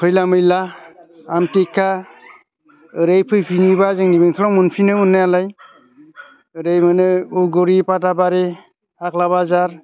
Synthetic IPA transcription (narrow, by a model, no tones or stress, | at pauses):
kʰɯjlamɯjlaː | mtekʰːa | ɯɾejpʰɯjpʰinibazɯŋnibiŋtʰlɔŋmɯnpʰinɯmɯnːajalaj | ɯɾejmɯnɯuɡɔɾipat̬abaɾe | ak̚laβazaɾ